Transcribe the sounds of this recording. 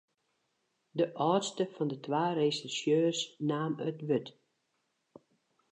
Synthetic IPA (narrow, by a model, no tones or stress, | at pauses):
dəʔɔːtstəfɔndətwaːresɪsjøːrsnaːmətʋøt